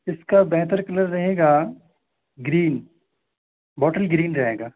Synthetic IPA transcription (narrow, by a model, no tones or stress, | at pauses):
ɪskabɛɦt̪əɾkɐləɾːɐɦeːɡaː | ɡɾiːn | bɔːʈəlɡɾiːnɾɐɦeːɡaː